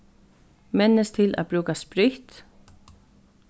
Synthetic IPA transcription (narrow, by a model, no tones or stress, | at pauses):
mɛnːəst̪ʰɪlæ̰ːbɾuːkaspɾʏht̪